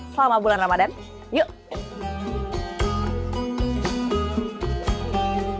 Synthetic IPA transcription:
slamabulanramadan | joʔ

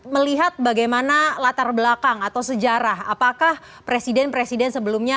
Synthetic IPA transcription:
məliɦat̪̚baɡajmanalat̪arbəlakaŋat̪awsəd͡ʒaɾaha̰pakah | pɾesidɛnpɾesidɛnsəbəlumɲa

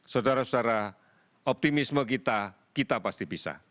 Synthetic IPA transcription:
sodaɾasodaɾa | ɔp̚t̪imisməkit̪a | kit̪apast̪ibisa̰

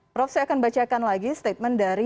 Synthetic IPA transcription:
pɾɔfsɛakanbat͡ʃakanlaɡist̪et̪̚mɛndaɾi

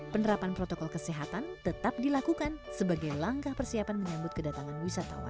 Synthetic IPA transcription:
pənəɾapanpɾot̪okɔlkəseɦat̪ant̪ət̪ap̚dilakukansəbaɡajlaŋkahpərsiapanməɲambʊt̪̚kədat̪aŋanwisat̪a̰wa̰

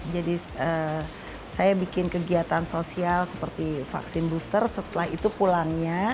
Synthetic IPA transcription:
d͡ʒadi | ə | sajabikɪnkəɡiat̪ansosialsəpərt̪ifa̰ksɪnbust̪ərsət̪əlaɦit̪upulaŋɲa

